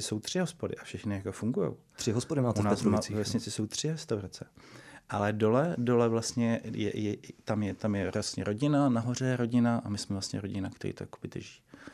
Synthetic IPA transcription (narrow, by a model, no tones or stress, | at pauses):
ɪso̞wt̪r̝̥ɪɦospodɪ̰ʔafʃɛxnɪjakofuŋɡujo̰w | t̪r̥ɪɦospodɪmaːtunasmavɛsɲɪt͡sɪso̞wt̪r̝̥ɪɾɛst̪awɾat͡sɛʔalɛdo̞lɛdo̞lɛvlast̪ɲɛjɛ̰jɛt̪amjɛt̪amjɛɾast̪ɲɛ̰ɾo̞ɟɪnanaɦo̞r̝ɛɾo̞ɟɪnaʔamɪsmɛvlastɲɛ̰ɾoɟɪnakt̪ɛɾḭːt̪ojako̥vɪt̪ɛ̰ʒi̥ː